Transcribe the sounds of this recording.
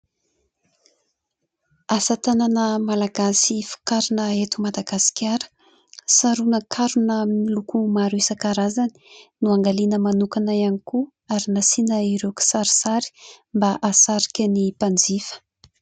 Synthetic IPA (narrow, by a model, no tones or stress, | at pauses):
asət̪ananəmalaɡasifu̥kaɾunəet̪umad̪aɡasi̥kʲaɾə̥ | saɾunəkʰaɾunəmilukumaɾuisəkaɾazani̥nuaŋɡalinəmanukanaianiku | aɾinasinəiɾeku̥saɾisaɾi̥mbaʔasaɾi̥kʲənipand͡zifə̥